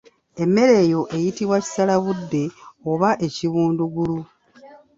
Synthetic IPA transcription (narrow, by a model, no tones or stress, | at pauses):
e̞mːe̞ɾe̞ːjo̞ʔe̞jitiβwaci̥salaβudːe̞oβaʔe̞ciβuːnduɡulu